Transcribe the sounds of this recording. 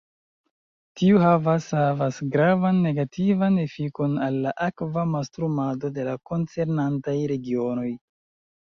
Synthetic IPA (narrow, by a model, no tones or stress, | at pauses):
tiuɦavashavasɡɾavanːe̞ɡatʰivanefiko̞nalːaʔakvamastɾumado̞de̞lako̞nt͡se̞ɾnantajɾe̞ɡio̞no̞j